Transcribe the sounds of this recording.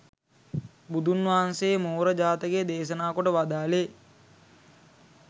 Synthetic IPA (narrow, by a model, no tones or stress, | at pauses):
bud̪ʱunʋaːanseːmoːɾəd͡ʒaːt̪əɡeːd̪eːʃənaːkoʈəʋad̪aːle